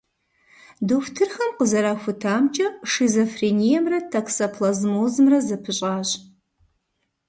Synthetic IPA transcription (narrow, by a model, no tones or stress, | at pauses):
duftʰɨrxɐmqəzɐɾaːxʷʊtʰaːmt͡ʃʼɐʂizɐfreːnijɛmrɐtʰaksɐpʰlɐzmoːzmrɐzɐpʰɨɕʼaːɕʼ